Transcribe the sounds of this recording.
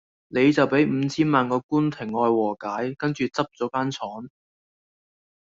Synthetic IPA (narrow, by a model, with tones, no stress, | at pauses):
ne˨˧jt͡sɐ˨wpe˨˥jm̩ː˨˧t͡sʰiː˥nmaː˨nkɔː˧kuː˥nt̪ʰɪ˨˩ŋːɔː˧jwɔː˨˩kaː˨˥jkɐ˥nt͡ʃyː˨t͡sɐ˥p̚t͡sɔː˨˥kaː˥nt͡sʰɔː˨˥n